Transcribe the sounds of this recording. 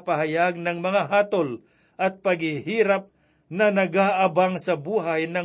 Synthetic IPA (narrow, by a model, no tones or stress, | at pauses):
paɦajaɡ̚nɐŋmɐŋaɦaːt̪ol | ʔɐt̪̚paɡhɪhiːɾap̚ | nɐnɐɡaʔabaŋsɐbuːɦajnɐ